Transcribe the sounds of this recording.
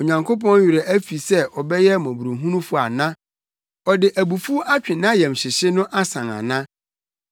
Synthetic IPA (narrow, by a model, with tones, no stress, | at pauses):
o˨ɲã˨ŋkʰo˦p̬ɔ̃˦n˦ɥɪ˨ɾɛ˨æ˦fi˨sɛ˦ʔɔ˨bɛ˦jɛ˦mɔ̃˨bu˨ɾu˨ɦũ˦nũ˦fʊ˦a˨nã˦ | ɔ˨dɪ˨ʔæ˨bu˨fu˦ʔa˦t͡ɕᶣɪ̃˨nã˦jɛ˨mɕɪ˨ɕɪ˦nʊ̃˦ʔa˦sã˨ŋã̰˨nã˦